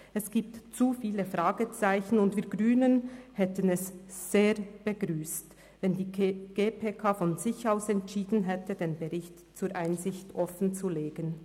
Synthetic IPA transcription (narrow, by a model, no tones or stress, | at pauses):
ʔɛsɡ̥iːp̚tt͡sufiːləfʁaːɡət͡saɪçn̩ʊndviːɐɡ̥ʁyːnənhɛtənɛsz̥eːʁb̥əɡʁyːst | vɛndiːɡ̥eːpʰeːkʰaːfɔnzɪçaʊsɛntʃiːdn̩ɦɛtədeːnbəʁɪçt | t͡suːɐʔaɪnzɪçtʔɔfən̩t͡suleːɡən